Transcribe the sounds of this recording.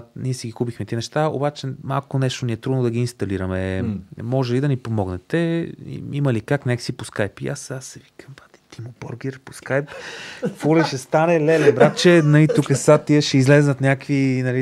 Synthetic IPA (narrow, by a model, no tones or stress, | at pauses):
niɛsiɡixupixmɛt̪inɛʃt̪ao̰bat͡ʃɛma̰lˠkonɛʃt̪oniɛt̪ɾud̪nod̪ɐɡiːnst̪ɐliɾəmɛmɔʒɛlid̪ɐnipomɔɡnɛt̪ɛḭimɐlikaknɛksiposkajpiasasɛvikəmpat̪it̪imobɔɾɡʲɛɾposkajpfɔliʃɛst̪anɛlɛlɛbɾat͡ʃɛnɐlit̪ukəsat̪ːiɛʃɛizlɛznət̪nʲjakvinɐli